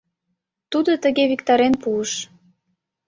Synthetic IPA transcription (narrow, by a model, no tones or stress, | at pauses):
t̪ud̪ot̪əɣeβikt̪ɑɾenpuəʃ